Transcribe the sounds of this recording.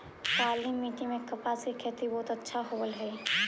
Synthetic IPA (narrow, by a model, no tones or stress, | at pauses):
paːlimːiːʈimẽkɐpaːsikʰet̪ibɔːt̪ɐtːʃʰaɦoːəlɦɛi